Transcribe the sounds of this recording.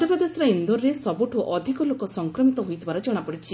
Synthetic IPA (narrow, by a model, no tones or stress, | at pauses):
d̪ʱɔpɾɔd̪esɔɾaind̪oɾːesɔbuʈʰuʔɔd̪ʱikɔlokɔsɔŋkɾɔmit̪ɔɦujt̪ʰibaɾɔd͡ʒɔɽ̃apɔɽit͡ʃʰi